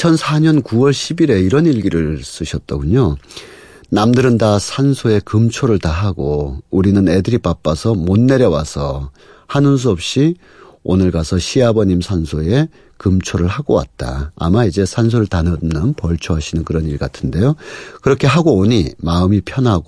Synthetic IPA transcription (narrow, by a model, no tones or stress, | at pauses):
t͡ɕʰʌnsʰaɲʌnkuwʌɭɕʰibiɾe̞iɾʌniɭɡiɾɯɭs͈ɯɕʰʌt̚t͈aɡuɲo | namdɯɾɯndasʰansʰoe̞kɯmt͡ɕʰoɾɯɭtaɦaɡouɾinɯne̞dɯɾipap͈asʰʌmonːe̞ɾjʌwasʰʌ | hanɯns̬ʰuʌp̚ɕ͈i | onɯɭɡasʰʌɕʰiabʌɲimsʰansʰoe̞ | kɯmt͡ɕʰoɾɯɭhaɡowa̰t̚t͈a̰ːmaid͡ʑe̞sʰans̬ʰoɾɯɭtanʌnɯnpʌɭt͡ɕʰoɦaɕʰinɯnkɯɾʌniɭɡa̰tʰɯnde̞jokɯɾʌkʰe̞ɦaɡooɲimaɯmipʰjʌnɦaɡo